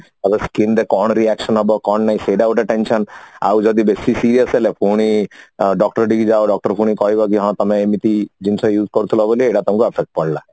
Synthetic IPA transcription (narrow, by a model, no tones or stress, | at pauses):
abeskind̪ekɔɳ̃ɾiɛkʃɔnɦɔbɔkɔɳnaĩseɖawʈɛʈenʃɔna̰wd͡ʒɔd̪ibesisiɾijasɦelepʰuɽ̃iɖɔkʈɔɾɖikid͡ʒaoɖɔk̚ʈɔɾpʰuɽ̃ikɔɦibɔk̬iɦɔ̃t̪ɔmeemit̪id͡ʒinsɔjuːzkɔɾt̪ʰilɔɔbolieʈat̪ɔmkuapʰek̚ʈ̚pɔɽla